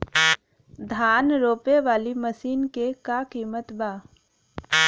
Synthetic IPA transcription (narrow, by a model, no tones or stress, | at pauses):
d̪ʱaːnɾoːpeʋaːliməsiːnkekakiːmət̪baː